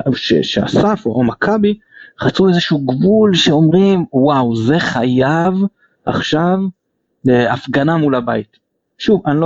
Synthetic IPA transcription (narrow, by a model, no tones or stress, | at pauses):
ʃḛʃea̰safoomakʰabi | χat͡suezeʃuːɡvulʃeo̞mʁimwawze̞χajav | a̰χʃav | leafɡanamulaba̰it | ʃuvanlo